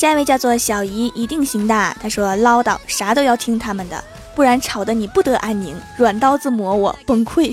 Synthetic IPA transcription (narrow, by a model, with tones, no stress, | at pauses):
ʂa˥˧we˥˧t͡ɕjɑ˥˧ʊt͡swɔ˥˩ɕjɑ˨˩ʊi˧˥ʔi˧˥t̪i˥˩ŋɕi˧˥ŋt̪a˥˩t̪ʰa˥ʂwɔ˥lɑ˥ʊt̪ɑ˥˩ʊʂa˧˥t̪o˥ʊjɑ˥˩ʊt̪ʰi˥ŋt̪ʰa˥mə˨nd̪ə̰˩ | pu˥˩ɻa˧˥nʈ͡ʂʰɑ˨˩ʊd̪ə˧˦ni˨˩pu˥˩t̪ɤ˧˥ʔa˥˩nmi˧˥ŋɻwa˨˩nt̪ɑ˥ʊt͡sɹ̩˥˩mwɔ˧˥wɔ̰˨˩pə˥˩ŋkʰwe˥˩ɪ